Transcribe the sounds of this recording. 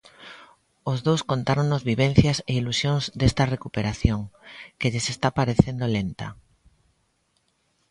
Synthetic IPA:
ozðowskont̪aɾoŋnozβiβ̞en̟θjɐseilusjoŋzd̪est̪ɐrekupeɾaθjoŋkeʎesest̪apaɾeθend̪olent̪ɐ

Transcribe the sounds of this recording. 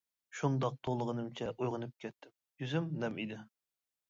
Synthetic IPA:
ʃund̪ɑq̚t̪ʰolˠəʁənɨmt͡ʃʰɛʔujʁənɨp̚kʲʰɛt̪ʰːɪm | jyzymnɛmid̪ɪ

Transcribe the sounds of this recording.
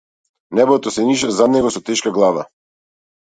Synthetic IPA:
nɛbɔt̪ɔsɛniʃazad̪nɛɡɔsɔt̪ɛʃkaɡlˠava̰

